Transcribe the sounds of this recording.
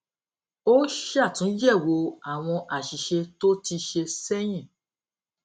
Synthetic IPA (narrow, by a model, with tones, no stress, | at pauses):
o˦ʃa˦˨tũ˨˦d͡ʒɛ˦˨wo˧a˨w̃ɔ̃˧ʔa˨ʃi˨ʃe˧to˦ti˧ʃe˧sɛ˦j̃ɛ̃˦˨